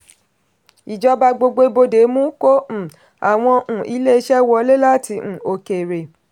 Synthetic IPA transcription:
i˨d͡ʒɔ˨˦ba˧ɡ͡bo˧ɡ͡bo˧˦bo˧de˨˦mũ˦kõ˦˨ | a˨w̃ɔ̃˧ʔũ˨ʔi˨˦le˦˧ʃɛ˦wɔ˧˦le˦la˦˨ti˧ũ˨o˨ke˨ɾe˨

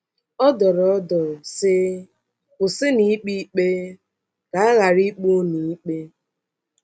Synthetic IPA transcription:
ɔ˦dɔ˨ɾɔ˨˦dɔ˨sɪ˦ | ʊ˨sɪ˦ni˨i˦k͡pi˦k͡pe˦ | ka˨a˦ɣa˨ɾi˦k͡pu˦ni˨˦k͡pe˦

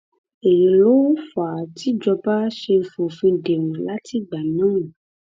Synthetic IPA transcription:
e˨je˨lo˦fa˨ti˦d͡ʒɔ˧ba˦ʃe˧fo˨fĩ˧de˨wɔ̃˨la˦ti˦˨ɡ͡ba˨nã˦ũ˨

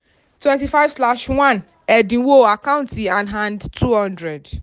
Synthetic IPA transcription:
tʰwɛ̃˦nti˨fa˦ɪv̥sla˦ʃwã˦n | ɛ˨dĩ˨wo˦a˨kʰã˦ʊ̃ntʰĩ˨ã˨nɦã˦ndtʰu˦hɔ̃˦ndɹɛ˨d

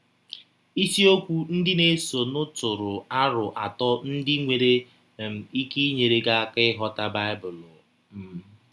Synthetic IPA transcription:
i˦si˦o˦kʷu˦n̩˦dɪ˦ne˦so˨nʊ˦tʊ˨ɾʊ˨a˦ɾʊ˨ʔa̰˨tɔ˦n̩˦dɪ˦ŋʷe˨ɾe˦˨ | i˦ki˦ɲe˨ɾe˦ɡa˦a˦kɪ˦ɦɔ˦ta˦ba˦ɪ˦bʊ˨lʊ˨ | m̩˨˦

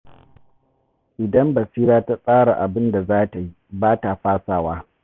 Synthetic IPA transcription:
ʔɪ˨dɐ˦mbɐ˨siː˦ɾaː˦ta˦sʼaː˦ɽa˨ʔa˨bɪ˦nda˨zaː˦ta˨ji˦baː˦ta˨ɸaː˦saː˦waː˦

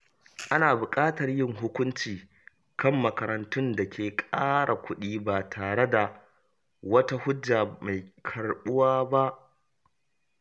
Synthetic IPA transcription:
ʔa˦naː˨bʊ˨kʼaː˦tɐ˨rjɪ˦ŋɦʊ˦kʷʊ˦nt͡ʃiː˨ | kɐ˦˨mːɐ˨kɐ˨ɾɐ˨ntʊ˦nda˨kʲʰeː˨kʼaː˦ɽʔa˨kʷʰʊ˦ɗiː˦baː˨tʰaː˨ɽe˦da˨ | wɐ˦ta˦hʊ˦d͡ʒːaː˨ma˨jkʰɐ˨rɓʊ˦waː˦ba˦ʔ

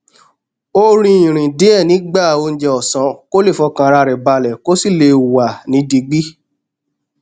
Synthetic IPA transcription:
o˦ɾ̃ĩ˧˦ĩ˨ɾ̃ĩ˨de˦ɛ˦˨nĩ˨˦ɡ͡ba˦˨o˧n̩˦d͡ʒɛ˧ɔ˨sã˨˦ko˦le˦˨fɔ˧kã˧ɾa˧ɾɛ˨ba˧˨lɛ˨ko˦si˦˨le˧˨wa˨nĩ˨˦di˧ɡ͡bi˦

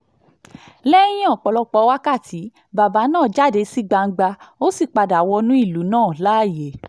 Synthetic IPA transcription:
lɛ˦j̃ĩ˦ɔ̃˦˨k͡pɔ˨˧lɔ˧k͡pɔ˧˦wa˦ka˦˨ti˨˦ | ba˨ba˨˦nãː˦˨d͡ʒa˦˨de˨˦si˦ɡ͡ba˧ŋ̩˧ɡ͡ba˧o˦si˦˨k͡pa˧da˨wɔ˧nũ˦i˦˨lu˨˦nãː˦˨la˦˨je˨

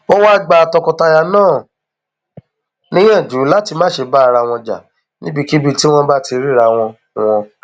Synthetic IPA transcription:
o˦wa˦ɡ͡ba˧˨tɔ˧kɔ˧ta˧ja˧nãː˦˨ | nĩ˦jɛ̃˦˨d͡ʒu˨˦la˦ti˧mãː˦˨ʃe˧ba˦˧ɾa˧w̃ɔ̃˧d͡ʒa̰˨ | nĩ˦bi˧ki˦bi˧ti˦w̃ɔ̃˧ba˦ti˧ɾi˦˨ɾa˧w̃ɔ̃˧ | w̃ɔ̃˧

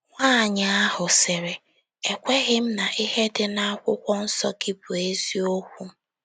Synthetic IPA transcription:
ŋʷa˦˨ɲa˨a˦ɦʊ˨sɪ˨ɾe˨ | e˨kʷe˦ɣɪ˦m̩˦na˨ʔi˦ɦe˦dɪ˦na˦a˦kʷʊ˦kʷɔ˦n̩˦sɔ˦ɡi˦bʊ˨e˦zi˦o˦kʷu˦

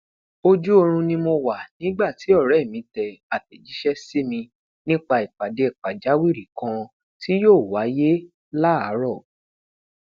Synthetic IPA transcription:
o˧d͡ʒu˦o˧ɾ̃ũ˧nĩ˧mo˧wa˨nĩ˨˦ɡ͡ba˦˨ti˨˦ɔ˦˨ɾɛ˨˦˨mĩ˨˧tɛ˨a˨tɛ˨d͡ʒi˨˦ʃɛ˦si˦mĩ˧ | nĩ˦k͡pa˧i˨k͡pa˨de˨i˨k͡pa˨d͡ʒa˨˦wi˦˨ɾi˨kã˧ | ti˦joː˦˨wa˨˦je˦ | la˦a˨˦ɾɔ˦˨

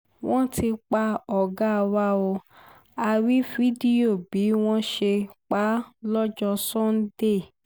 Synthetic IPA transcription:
w̃ɔ̃˦ti˧k͡pa˧ɔ˨ɡa˦˧wa˦o˧ | a˧ɾi˦fi˦di˦o˦˨bi˨˦w̃ɔ̃˦ʃe˧k͡pa˦lɔ˦d͡ʒɔ˧sɔ̃˦n̩˦de˦˨

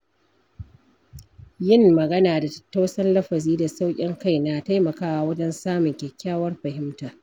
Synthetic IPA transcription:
jɪ˦˨mːɐ˨ɡɐ˦naː˨da˨ttːa˦wsɐ˦nlɐ˦ɸɐ˨ziː˦da˨sa˦wkʲʼɪ˦ŋka˦jna˨ta˦jmɐ˨kaː˦wa˨wɐ˦d͡ʒɛ˦nsaː˦mʊ˨ŋkʲɛ˨kʲːaː˦wɐ˦rɸɐ˨ɦɪ˦mtaː˨

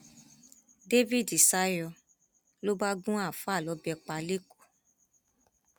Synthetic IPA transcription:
de˦vi˦˨di˨sa˦jɔ˧ | lo˦ba˦ɡũ˦a˦˨fa˦˨lɔ˨˦bɛ˧k͡pa˧le˦ko̥˦˨

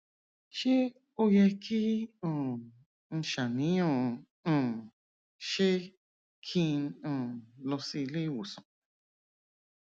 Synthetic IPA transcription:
ʃi˦ | o˦je˧kʰi˦õ˦˧˨ | n̩˧ʃa˨nĩ˨˦õ˧˨˧ | õ˧˨ | ʃe˦ | kʰĩ˧nõ˧˨lo˧si˧li˦wu˨sõ˨

